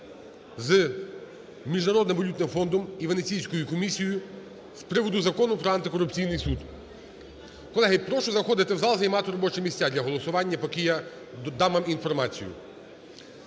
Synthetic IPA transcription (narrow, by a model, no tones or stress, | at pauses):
z | mʲiʒnɐɾɔd̪nɪmʋɔlʲut̪nɪmfɔnd̪ɔmiʋenet͡sʲijsʲkɔjʊkɔmʲisʲijɔjʊ | spɾɪʋɔd̪ʊzɐkɔnʊpɾɔɐnt̪ɪkɔɾʊpt͡sʲijnɪjsud̪ | kɔlˠɛɦɪpɾɔʃɔzɐxɔd̪ɪt̪ɪwzɑlˠzɐjmɑt̪ɪɾɔbɔt͡ʃɛmʲisʲt͡sʲad̪lʲɐɦɔlˠɔsʊʋɑnʲːɐpɔkija | d̪ɑmɐminfɔrmɑt͡sʲḭjʊ̰